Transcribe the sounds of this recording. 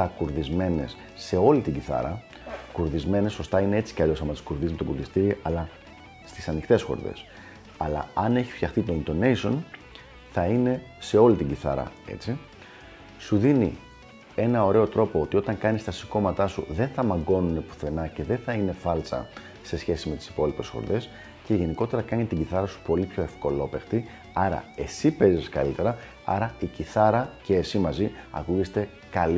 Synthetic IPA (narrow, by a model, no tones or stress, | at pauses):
ɐkuɾðizme̞ne̞sːe̞o̞lit̪iɟiθɐ̰ɾɐ | kuɾðizme̞ne̞sːo̞st̪ɐine̞e̞t͡si̥ceɐʎo̞sɐmɐt̪i̥skuɾðizmet̪okuɾðist̪iɾiʔɐlɐ | st̪isɐnixt̪e̞sxo̞̰ɾðe̞̰s | ɐlɐ̰ɐne̞çisft̪çɐxθit̪o̞int̪o̞ne̞jso̞n | θɐine̞se̞o̞lit̪iɲɟiθɐ̰ɾɐ̰e̞̰t͡si | suðinḭ | e̞nɐo̞ɾe̞o̞t̪ɾo̞po̞ot̪io̞t̪ɐŋkɐnist̪ɐsi̥ko̞mɐt̪ɐsṵðe̞nθɐmɐŋɡo̞nune̞pu̥θe̞nɐce̞ðe̞θɐine̞fɐlt͡sɐ̰ | se̞sçe̞sime̞t̪i̥si̥po̞lipe̞sxo̰ɾðe̞s | ce̞ʝe̞niko̞t̪e̞ɾɐkɐɲet̪iɟiθɐɾɐsu̥po̞lipço̞e̞fko̞lo̞pe̞xt̪i | ɐɾɐ̰e̞sipe̞ziskɐ̰lit̪e̞ɾɐ | ɐ̰ɾɐiciθɐɾɐceːsimɐziɐ̰kuʝe̞st̪e̞ | kɐl